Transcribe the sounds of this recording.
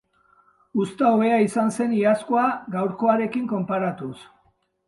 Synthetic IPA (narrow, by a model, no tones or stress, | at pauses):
ust̪aoβe̞aisanse̞niasko̞aɡawɾko̞aɾe̞kiŋko̞mpaɾat̪us